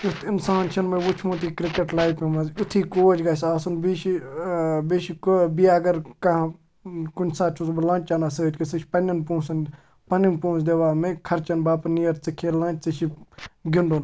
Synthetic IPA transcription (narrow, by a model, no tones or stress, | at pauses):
ut̪ʰinsaːnt͡ʃʰɐnmɐʋut͡ʃʰmut̪ikɾɪkeʈlaːjpimɐzut̪ʰiːkoːd͡ʒɡɐsʲaːsunbiʃi | biʃikbijaːɡɐɾkɐ | kunʲsaːt̪̚t͡ʃʰusblãːnʲt͡ʃanasəːd͡ʒkɐsɨt͡ʃʰʲpɐnʲːɐnpũːsɐn | pɐnimpũːsd̪eʋaːmekʰɐɾt͡ʃɐnbaːpnijɐɾt͡sɨkʰeːlːɐ̃ːnt͡ʃ̚ʲt͡sɨt͡ʃʰiɡɪɳɖon